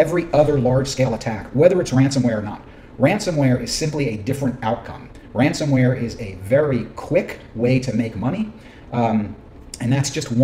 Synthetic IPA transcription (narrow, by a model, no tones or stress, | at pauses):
ɛvɹiʔʌðə˞lɑɹd̥ʒ̥skeɪlˠətʰækwɛðə˞ɨtsɹæ̃nsɨ̃mwɛɹə˞nə̰t̚ | ɹæ̃nsɨ̃mwɛɹɨz̥sɪ̃mpliɨdɪfɹɨ̃ntaʊt̚kʰʌ̰̃m | ɹæ̃nsɨ̃mwɛɹɪzɨvɛɹikʰw̥ɪk | weɪɾɨmeɪkmʌñi | ɨ̃nðætsd̥ʒ̥ʌst̚w